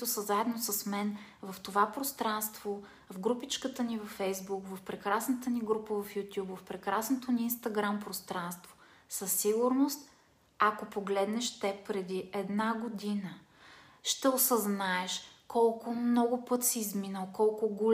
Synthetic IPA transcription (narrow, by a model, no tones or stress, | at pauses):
it̪ʊsəzaɛd̪nosəsmɛnvɐft̪ovapɾost̪ɾanst̪v̥o | vɡɾupit͡ʃkət̪ənivɐfɛjzbukvɐfpɾɛkɾasnət̪əniɡɾupəvɐfjut̪ʲjupvɐfpɾɛkɾasnot̪oniːnst̪ɐɡɾampɾost̪ɾanst̪vo̥səsːiɡʊɾnost̪ | akopoɡlɛd̪nɛʃt̪ɛpɾɛd̪iɛd̪naɡod̪inə | ʃt̪ɛosəznaɛʃkɔlˠkʊmnɔɡʊpɤt̪siːzminəlˠkɔlˠkʊɡol